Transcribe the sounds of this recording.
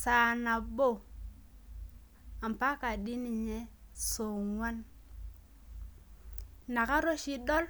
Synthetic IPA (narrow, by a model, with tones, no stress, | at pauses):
sa˨na˨bo˦˨ | a˨mpa˦ka˨ɗi˦ni˨ɲe˦so˨ŋwa˦n | na˨ka˦ɾo˦ʃi˦ɗo˦l